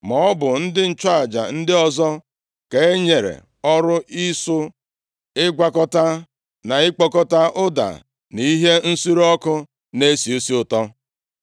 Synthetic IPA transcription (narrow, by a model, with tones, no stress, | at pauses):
mɔ˨ɔ˦bʊ˨n̩˦dɪ˦n̩˦t͡ʃa˦a˨d͡ʒa̰˨n̩˦dɪ˦ɔ˨zɔ˦ | ke˨˦e˦ɲe˨ɾḛ˨ | ɔ˦ɾʊ˦ʔi˦sʊ˦ | ɪ˦ɡʷa˦kɔ˦ta˦ | na˨ɪ˦k͡pɔ˦kɔ˦ta˦ʔʊ˦da̰˨ | ni˦ɦe˦n̩˦su˦ɾɔ˦kʊ˦ | ne˦si˨o˦si˦ʊ˨tɔ˦